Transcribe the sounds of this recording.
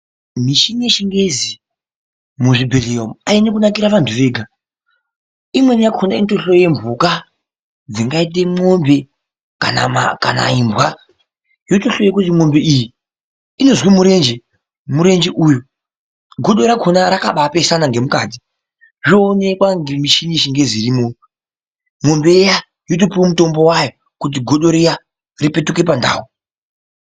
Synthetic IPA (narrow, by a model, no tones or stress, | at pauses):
miʃineʃiŋɡezi | muʐibʱeleomainekunakiɾaʋantʰuʋe̞ːɡʱa | imwe̞nijakʰonainto̞ɬo̞jembuka | d͡ziŋɡait̬emo̞mbe̞ | ka̰na̰ma̰ka̰na̰imbwa | jotoɬo̞jekut̬imo̞mbeiji | ino̞zwimuɾe̞nd͡ʒe | muɾe̞nd͡ʒeʔujo | ɡʱo̞ɗo̞ɾakʰonaɾakaɓapesanaŋɡe̞muka̰ːti̥ | ʐoːne̞kwaŋɡemiʃiniʃiŋɡe̞ziɾimo | mo̞mbeja | jot̬opiwomuto̞mbo̞wajo | kut̬iɡʱo̞ɗo̞ɾija | ripe̞tuke̞panda̰ːwo